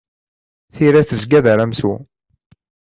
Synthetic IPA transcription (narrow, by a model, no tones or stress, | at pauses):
θiɾæθəzɡæðəɾæmsu